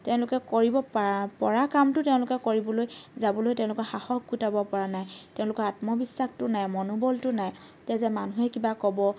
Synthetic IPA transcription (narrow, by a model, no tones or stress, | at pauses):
tɛʊ̃lʊkɛkoɹibɔpɔɹakamtʊtɛʊ̃lʊkɛkoɹibɔlojzabɔlojtɛ̃ʊ̃lʊkɔxaxɔk̚ɡutabɔpɔɹanajtɛʊ̃lʊkɔɹatmɔbisːaxtʊnajmɔnubɔltʊnajtɛzɛmanuɦɛkibakɔbɔ